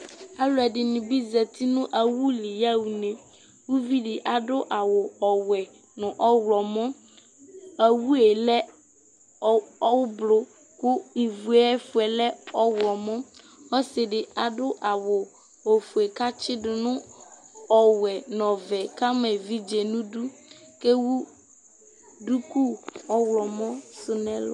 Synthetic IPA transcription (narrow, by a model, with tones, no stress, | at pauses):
a˦lʊ˦ɛ˨dɪ˨nʊ̃˨bi˦zɛ˨t̪ʰi˦nʊ̃˦ʔa˨wu˦li˨ja˦wu˨nẽ˨ | wu˦vi˦ɖɪ˨ʔa˨ɖʊ˦ʔa˨wʊ˨ɔ˨wɛ˨ | nʊ̃˨ʔɔ˦wlɔ˨mɔ̃˦ | a˨wu˦e˨lɛ˦˨ | ɔ˦wʊ˦blo˦ | kʊ˦i˨vu˨ɛ˦fʊ˨ɛ˨lɛ˦ɔ˦wlɔ˨mɔ̃˦ | ɔ˦sɪ˨ɖɪ˨a˨dʊ˦ʔa˨wʊ˨ | o˨fu˨e˨ka˦t͡ʃɪ˦ɖʊ˨nʊ̃˦ | ɔ˨wɛ˨nɔ̃˨vɛ˨ka˦mɛ˨vi˦d͡ʒe˨nũ˦du˦ke˦wu˦ | du˦ku˦ɔ˦wlɔ˨mɔ̃˦sʊ˦nɛ̃˦lɔ̰˦